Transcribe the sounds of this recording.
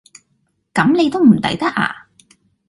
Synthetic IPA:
kɐ˨˥mne˨˧jt̪o˥wm̩˨˩t̪ɐ̰˨˥jt̪ɐ˥k̚ʔa̰ː˧˩

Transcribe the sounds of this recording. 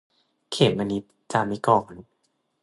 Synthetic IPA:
kʰeː˨˩p̪̚ma˧ni˦˥t̪̚ | t͡ɕa˧ma˧˦kɔː˨˩n

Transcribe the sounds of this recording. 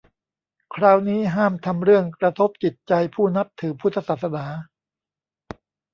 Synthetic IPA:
kʰɾaː˧wniː˦˥ɦaː˥˩mt̪ʰa˧mɾɯ˥˩əŋkɾa˧t̪ʰo˦˥p̚t͡ɕi˨˩t̪̚t͡ɕa˧jpʰuː˥˩na˦˥p̚t̪ʰɯː˩˦pʰu˦˥t̪ʰːa˧saː˨˩t̪̚sa˧naː˩˦

